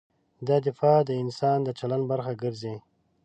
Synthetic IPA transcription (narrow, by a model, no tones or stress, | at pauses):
d̪ɑd̪ɪfɑd̪əɪnsɑːnd̪ət͡ʃalanbaɾxaɡəɾze